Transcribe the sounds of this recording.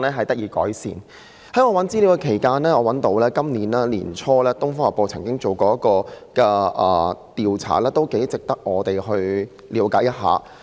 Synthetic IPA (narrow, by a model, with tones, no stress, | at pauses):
lɛː˥ɦɐ˨jt̪ɐ˥k̚iː˨˧kɔ̰ː˨˥jsḭː˨˩n | hɐ˨˥jŋɔː˨˧wɐ˨˥nt͡siː˥li˨˧wkɛ˧kʰe˨˩jkaː˧˥nlɛː˥ŋɔː˨˧wɐ˨˥nt̪o˨˥wlɛː˥kɐ˥mniː˨˥nlaː˥lḭː˨˩nt͡ʃʰɔː˥lɛː˥t̪ʊ˥ŋfɔː˥ŋɐ˨˩pːo˧wt͡sʰɐ˨˩ŋkɪ˥ŋt͡so˨wkɔː˧jɐ˥kːɔː˧kɛː˧ʔɐ̰ː˨˩t̪iː˨wt͡sʰa̰ː˨˩lɛː˥t̪o˥wke˨˥jt͡sɪ˨k̚t̪ɐ˥k̚ŋɔː˨˧t̪e˨˩jhɵ˧ɥ | liː˨˥wkaː˨˥jɐ˥t̚ɦa̰ː˨